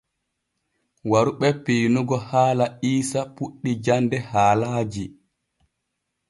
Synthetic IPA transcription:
waɾuɓɛpejnuɡɔhaːlaiːsapuɗːid͡ʒandɛhaːlaːd͡ʒi

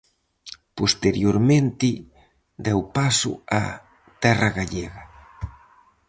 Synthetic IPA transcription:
post̪eɾjoɾmẽnt̪ɪ | d̪ɛwpasʊ̰a̰ | t̪ɛrɐɣaʎeɣɐ

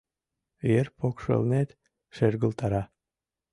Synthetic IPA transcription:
jerpokʃɤ̰lnet̪ | ʃerɣəlt̪ɑɾɑ

